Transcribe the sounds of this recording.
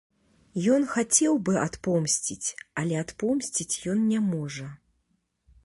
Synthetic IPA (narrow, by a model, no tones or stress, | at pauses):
jɔnxat͡sʲɛwbɨat̪pɔmsʲt͡sʲit͡sʲalʲɛat̪pɔmsʲt͡sʲit͡sʲjɔnnʲɛmɔʐɐ